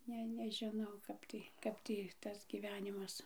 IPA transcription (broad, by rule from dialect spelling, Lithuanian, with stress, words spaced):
ˈnʲɛ nʲɛʒʲɪˈnɐʊ ˈkɐp tɐɪ ˈkɐp tʲiː ˈtɐs ɡʲiːˈʋʲæːnʲɪmɐs